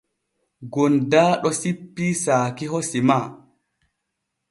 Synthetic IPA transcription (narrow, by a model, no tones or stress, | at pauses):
ɡondaːɗɔsipːiːsaːkiɦosimaː